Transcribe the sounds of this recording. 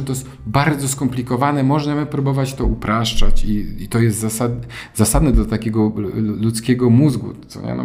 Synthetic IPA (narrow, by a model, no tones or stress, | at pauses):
t̪ɔ | baɾd̪zɔskɔmplʲikɔvanɛmɔʐnamɘpɾubɔvat͡ɕt̪ɔupɾaʂt͡ʂat͡ɕiit̪ɔjɛst̪zasad̪ | zasad̪nɛd̪lat̪akʲɛɡɔlut̪skʲɛɡɔmuzɡṵt̪sɔ̰ɲɛ̰nɔ̰